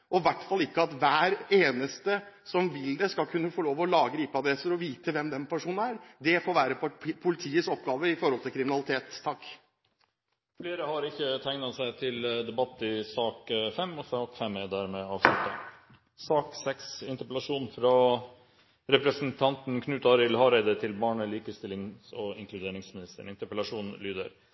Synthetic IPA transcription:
ʔɔʋæʈːfɑlːɪkːəɑt̪ʋæːɾeːnəst̪ə | sɔmʋɪld̪ɛskɑlkʰʉnːəfɔɭoːʋɔlɑːɡəɾiːpəɑd̪ɾɛsəɾɔʋiːt̪əʋɛmd̪ɛnpʰæʂuːnənæːɾd̪ɛfoːɾʋæːɾəppʰʊlɪt̪ʰiːəsɔpːɡɑːʋəɪfɔɾɔlt̪ʰɪlkɾɪmɪnɑlɪt̪ʰeːt̪t̪ʰːɑkː | fleːɾəhɑɾɪçːət̪ʰæɪŋnɑsæɪt̪ʰɪld̪ɛbɑt̪ːɪsɑːkfɛmːɔsɑːkfɛmːɛd̪æːɾmɛɑːʋʂlʉt̪ːə̰ | sɑːksɛksɪnt̪əɾpəlɑʂuːnfɾɑ | ɾɛpɾəsənt̪ʰɑnt̪n̩kʰnʉːt̪ɑɾɪlhɑɾæɪd̪ət̪ʰɪlbɑːɳəliːkəst̪ɪlːɪŋɔɪ̰ŋklʉd̪eːɳɪŋsmɪnɪst̪ə̰ɳɪnt̪əpəlɑʂuːnnlyːd̪ə̰ɾ

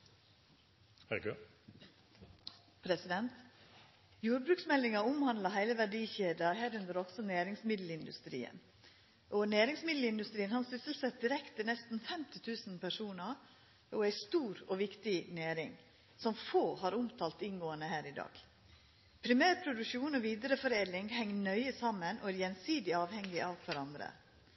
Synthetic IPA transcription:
hæɾø | pʰɾɛsɪd̪ɛnt̪ | juːɾbɾʉːksmɛlːɪŋɑʊmhɑnd̪lɑɦæɪləʋæɖiːçeːd̪ɑhæːɾʉnd̪əɾɔɡ̥sɔnæːɾɪŋsmɪd̪l̩ɪnd̪ʉ̰st̪ɾḭːə̰n | ʔɔnæːɾɪŋsmɪd̪l̩ɪnd̪ʉst̪ɾiːənhɑnsʏsəlsɛt̪̚d̪ɪɾɛkt̪ɪnɛst̪n̩fɛmt̪ɪt̪ʰʉːsn̩pʰæʂuːnɑ | ɔæɪst̪uːɾɔʋɪkt̪ɪnæːɾɪ̰ŋ | sɔmfoːhɑːɾʊmt̪ʰɑːlt̪ɪnɡoːənəhæːɾɪd̪ɑ̰ːɡ̥ | pʰɾɪmæːɾpʰɾʊd̪ʉkʃuːnɔʋiːd̪əɾəfɔɾeːd̪lɪŋhɛŋːnœʏəsɑmːənʔo̰æːɾjɛnsiːd̪ɪɑːʋhɛŋɡɪʔɑːʋkʰʋæɾɑnd̪ɾə̰

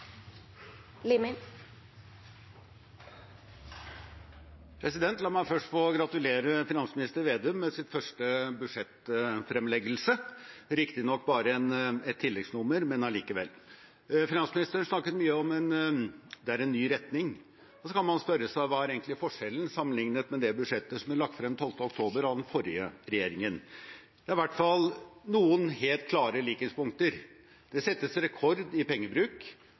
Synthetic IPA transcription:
limɪ | pʰɾɛsɪd̪ɛnt̪lɑːmæɪfœʂʈfɔɡɾɑt̪ʉleːɾəfɪnɑnsmɪnɪst̪əɾʋeːd̪ɛʉmːɛsɪt̪fœʂʈəbʉʂɛt̪fɾɛmlɛɡəlsəɾɪkt̪ɪnɔkːbɑːɾəɛnɛt̪ʰːɪlːɛɡsnʊmːəɾmɛnɑliːkəʋɛ̰lː | fɪnɑnsmɪnɪst̪əɾənʂnɑkːət̪myːəɔmɛnd̪ɛæɾɛnːyːɾɛt̪nɪŋ | ɔsɔkʰɑnmɑnspœɾːəsæʋɑːæɾeːɡŋt̪lɪfɔʂɛlːən̩sɑmːənlɪŋnət̪mɛd̪ɛbʉd̪ʂɛt̪ːəsɔmæɭɑkt̪fɾɛmt̪ʰɔlft̪əɔk̚t̪ʰoːbəɾɑʋd̪ɛnfɔɾɪəɾɛjeːɾɪŋən | d̪ɛːɾɪʋæʈːfɑlnuːənheːlt̪̚kʰlɑːɾəliːkəspʊŋk̚t̪əɾ | d̪̥ɛsɛt̪ːəsɾɛkʰɔɾd̪ɪpɛŋːəbɾʉːk

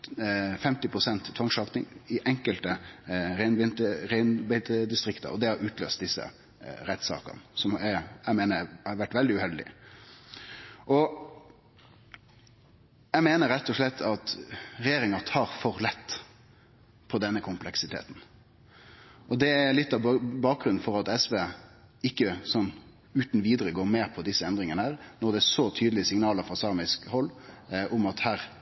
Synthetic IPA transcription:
fɛmt̪ɪpʰɾʊsɛnt̪t̪ʰːʋɑŋʂɑːknɪ̰ŋɪʔɛŋkəlt̪əɾæɪnbɪnt̪əɾæɪnbæt̪əd̪ɪst̪ɾɪkt̪ə̰ɔd̪ɛhɑɾʉːt̪lø̰ːst̪d̪ɪsːə̰ | ɾɛt̪ːsɑ̰ːkə̰nsɔmæjæmeːnəhɑɾʋæʈːʋɛld̪ɪʉhɛld̪ɪ̰ | ʔɔ | jæmeːnəɾɛt̪ːɔʂlɛt̪ʰːɑt̪ɾɛjeːɾɪŋɑt̪ʰɑːɾfɔɾlɛt̪ː | pʰɔd̪ɛnːəkʰʊmplɛksɪt̪ʰḛːt̪n̩ | ʔɔd̪ɛæɾlɪt̪ːɑʋbɑːk̚ɡɾʉnfɔɾɑt̪ɛsʋeːɪkːəsɔnː | ʉːt̪n̩ʋiːd̪əɾəɡoːɾmeːpʰɔd̪ɪsːəɛnd̪ɾɪŋənəhæːɾnɔʁd̪ɛæʂɔt̪ʰyːd̪əlɪəsɪŋnɑːləɾfɑsɑːmɪskhɔlːʔʊmɑt̪hæːɾ

